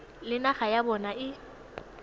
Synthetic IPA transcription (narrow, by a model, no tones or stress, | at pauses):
lɪnaχajabɔnaʔɪ